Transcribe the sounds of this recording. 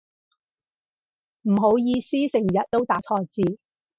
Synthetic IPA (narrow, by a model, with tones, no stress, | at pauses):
m̩˨˩ɦo˨˥wjiː˧siː˥sɪ˨˩ŋjɐ˨t̚t̪o˥wt̪aː˨˥t͡sʰɔː˧t͡siː˨˧